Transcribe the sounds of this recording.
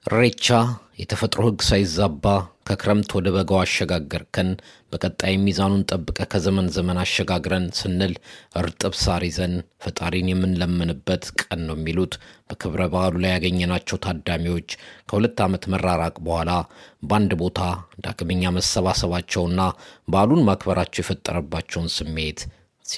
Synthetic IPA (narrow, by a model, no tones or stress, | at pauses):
ʔɨɾet͡ʃːajɛt̪ʰəfət̪ʼɾohɨɡːsajɪzːabːakʰəkʰɨɾəmt̪ʰwɔd̪əβəɡəwaʃːɛɡaɡːəɾkʰɨnbəkʼət̪ʼːajmːizanunt̪ʼəbːɨkʼəkʰəzəmənzəmənaʃːɛɡaɡɾənsɨnːɨlʔɨɾt̪ʼɨβsaɾizənfət̪ʼaɾinjɛmːɨnləmːənɨbːət̪kʼənːəwjɛmːilut̪b̥əkʰɨβɾəbəʔalulajaɡəɲːɛnat͡ʃːɛwt̪ʰad̪ːamiwo̞t͡ʃːkʰəhulət̪ːamət̪mərːaɾakʼbəhʷalaband̪bo̞t̪ʰad̪a̰ɡməɲːaməsːəβasəβat͡ʃːɛwɨnːabalunmakʰbəɾat͡ʃːɛwjɛfət̪ʼːə̰ɾəbːat͡ʃːɛwnsɨmːe̞t̪ | s